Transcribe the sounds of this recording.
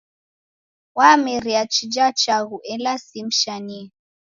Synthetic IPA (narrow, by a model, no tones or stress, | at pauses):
wamɛɾiat͡ʃid͡ʒat͡ʃaɣuʔɛlasim̩ʃani